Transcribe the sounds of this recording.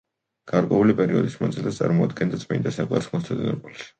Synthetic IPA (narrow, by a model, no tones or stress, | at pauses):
ɡ̥aɾkʼwɛulipʼɛɾiɔd̪ismanzilast̪sʼa̰ɾmɔad̪̚ɡɛnd̪at̪sʼmind̪asakʼwa̰ɾsmɔst̪ʰɛd̪inɔɾpʼuliʃi̥